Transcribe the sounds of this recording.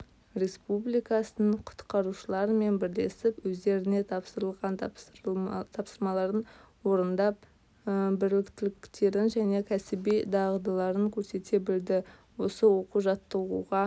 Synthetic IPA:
ɾʲe̞spublijkɑsənəɴqʰʊ̥t̪qɑɾuʃəlˠɑɾəme̞nbɪɾle̞sɪpwɵzd̪e̞ɾɪne̞t̪ʰɑpsəɾəlˠʁɑnt̪ | t̪ʰɑpsəɾmɑlˠɑɾən | wo̞ɾənd̪ɑp | bɪɾlɪkt̪ɪlɪkt̪e̞ɾɪnʒæne̞kʲʰæsɪbijd̪ɑʁəd̪əlˠɑɾəŋkʲʰɵɾse̞t̪e̞bɪld̪ɪ | wo̞səwo̞quʒɑt̪ːəʁuʁɑ

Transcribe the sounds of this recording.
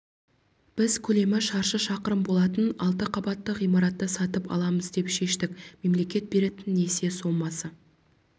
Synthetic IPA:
b̥ɪzkʲʰɵle̞mɪʃɑɾʃəʃɑqəɾəmbo̞lˠɑt̪ənɑlˠt̪̬əqʰɑbɑt̪ːəʁijmɑɾɑt̪ːəsɑt̪əpɑ̰lˠɑməzd̪e̞pʃe̞ʃt̪ɪkme̞mle̞kʲe̞t̪̚be̞ɾe̞t̪ɪnːe̞se̞so̞mɑsə

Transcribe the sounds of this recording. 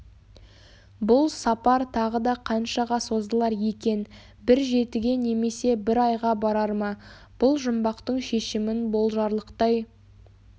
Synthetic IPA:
bʊlˠsɑpɑɾt̪ʰɑʁəd̪ɑqʰɑnʃɑʁɑso̞zd̪əlˠɑɾje̞kʲe̞n | bɪɾʒe̞t̪ɪɡʲe̞ne̞me̞se̞bɪɾɑjʁɑbɑɾɑɾmɑ | b̥ʊlˠʒʊmbɑqt̪əɴʃe̞ʃɪmɪnbo̞lˠʒɑɾlˠəqt̪ɑj

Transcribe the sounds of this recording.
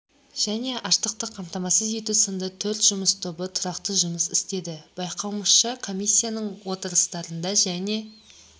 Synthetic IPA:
ʒ̥æne̞ʔɑʃt̪əq̚t̪əqʰːɑmt̪ɑmɑsəzje̞t̪usənd̪ət̪ʰɵɾt̪ʒ̥ʊməst̪ʰo̞bət̪ʰʊɾɑqt̪əʒʊməsɪst̪e̞d̪ɪb̥ɑjqʰɑwməʃəkʰo̞mijsʲːijanəɴwo̞t̪əɾəst̪ɑɾənd̪ɑʒæne̞

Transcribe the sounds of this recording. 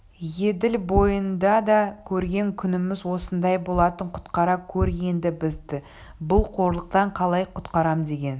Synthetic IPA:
je̞d̪ɪlbo̞jənd̪ɑd̪ɑkʲʰɵɾɡʲe̞ŋkʲʰʏnɪmɪzwo̞sənd̪ɑjbo̞lˠɑt̪əɴqʰʊ̥t̪qɑɾɑkʲʰɵɾje̞nd̪ɪbɪzd̪ɪ | bʊlˠqʰo̞ɾlˠəq̚t̪ɑɴqʰɑlˠɑjqʰʊ̥t̪qɑɾɑmd̪e̞ɡʲe̞n

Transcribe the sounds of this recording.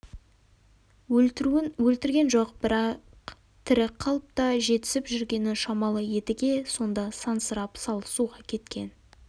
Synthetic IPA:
ɵɾɪnwɵlt̪ɪɾɡʲe̞nʒo̞qb̥ɪɾɑ | q | t̪ʰɪɾɪqʰɑlˠəp̚t̪ɑʒe̞t̪ɪ̥sɪpʒʏɾɡʲe̞nɪʃɑmɑlˠəje̞t̪ɪɡʲe̞so̞nd̪ɑsɑnsəɾɑpsɑlˠəsuʁɑkʲʰe̞t̪kʲe̞n

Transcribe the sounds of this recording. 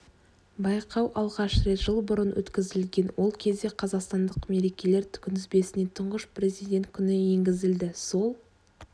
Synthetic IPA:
bɑjqɑwʔɑlˠʁɑʃɾet̪ʒ̥əlˠbʊɾənwɵ̰t̪kʲɪzɪlɡʲe̞nwo̞lˠkʲʰe̞zd̪e̞qʰɑzɑqst̪ɑnd̪əqme̞ɾe̞kʲe̞le̞ɾt̪ʰʏ̥kʲɪnɪzbe̞sɪne̞t̪ʰʊɴʁəʃpre̞zijd̪ʲe̞nt̪̚kʲʰʏnɪje̞ŋɡʲɪzɪld̪ɪso̞lˠ

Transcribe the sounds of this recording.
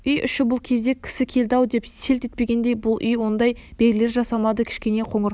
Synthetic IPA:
ʏjʔʏ̰ʃɪbʊlˠkʲʰe̞zd̪e̞kʲʰɪ̥sɪkʲʰe̞ld̪ɑwd̪e̞pse̞lt̪e̞t̪̚pe̞ɡʲe̞nd̪e̞jbʊlˠʔʏjwo̞nd̪ɑjb̥eɡʲɪle̞ɾʒɑsɑmɑd̪əkʲʰɪ̥ʃkʲe̞ne̞qʰo̞ɴəɾ

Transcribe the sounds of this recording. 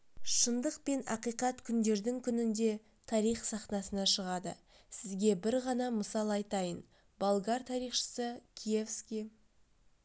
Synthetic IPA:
ʃənd̪əq̚pe̞nɑ̰qijqɑt̪kʲʰʏnd̪e̞ɾd̪ɪŋkʲʰʏnɪnd̪e̞ | t̪ʰɑɾijχsɑχnɑsənɑʃəʁɑd̪ə̰ | sɪzɡʲe̞bɪɾʁɑnɑməsɑlˠɑjt̪ɑjən | bolˠɡɑɾt̪ʰɑɾijχʃə̥səkʲʰijefskʲij

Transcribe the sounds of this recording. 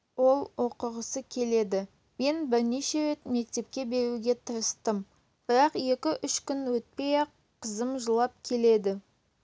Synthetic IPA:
wo̞lˠwo̞qəʁəsəkʲʰe̞le̞d̪ɪ | me̞nbɪɾneʃe̞ɾe̞t̪me̞k̚t̪e̞p̚kʲe̞be̞ɾuɡʲe̞t̪ʰəɾəst̪əm | b̥ɪɾɑqje̞kʲɪʔʏʃkʲʏnwɵt̪̚pe̞jɑ | qʰəzəmʒəlˠɑp̚kʲʰe̞le̞d̪ɪ

